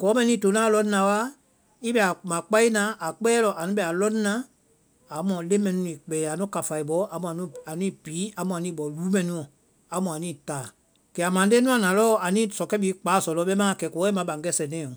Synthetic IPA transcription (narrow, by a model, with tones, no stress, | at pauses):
kɔː˨˦mɛ̃˦nĩ˦to˨˦nãː˦lɔ̃˦n˦ã˨˦wa˦ | i˦ɓɛ˨a˨mã˨k͡pa˦i˦nã˨˦ʔa˨k͡pɛː˦lɔ˨ʔa˨nũ˦ɓɛ˨a˨lɔ̃˦n˦nã˦ | a˨˦mɔ̃˨le˦mɛ̃˨nũ˦i˨k͡pɛː˨a˨˦nũ˦ka˨fa˨i˨ɓɔ˨˦a˨mũ˨a˨nũ˦a˨nĩː˦piː˨˦a˨mũ˨a˨nĩː˦ɓɔ˨luː˦mɛ̃˨nũ˧ɔ̃˨ | a˨˦mũ˨a˨nĩː˦˨taː˨ | kɛ˨a˨mã˨˦de˦nũ˦ã˨nã˨lɔ˦a˨nĩː˦sɔ˨kɛ˦ɓiː˨˦k͡paː˨˦˨sɔ˨lɔ˧˦ɓɛ˦mãː˦˨kɛ˨kɔː˨˦ɛ˦mã˨˦ɓã˨ŋ˦ɡɛ˦sɛ˨nɛ̃ː˨˦˨ɔ̃˨